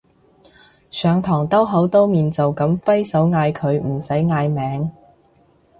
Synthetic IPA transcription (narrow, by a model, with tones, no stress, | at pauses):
sœː˨˧ŋt̪ʰɔː˨˩ŋt̪ɐ˥wɦɐ˨˥wt̪o˥wmiː˨nt͡so˨wkɐ˨˥mfɐ˥jsɐ˨˥wŋaː˧jkʰɵ˨˧ɥm̩˨˩sɐ˨˥jŋaː˧jmɛː˨˥ŋ